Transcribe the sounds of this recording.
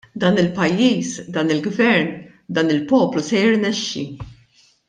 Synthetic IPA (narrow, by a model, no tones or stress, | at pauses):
d̪ɐːnɪlpɐjːiːsd̪ɐːnɪlɡvɛɾn | d̪ɐːnɪlpɔːplusɛjɪɾnɛʃːḭ